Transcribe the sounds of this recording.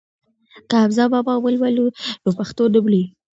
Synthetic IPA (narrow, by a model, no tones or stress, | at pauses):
kaːbzɑbɑbɑwəlwalud̪opaxt̪od̪əbli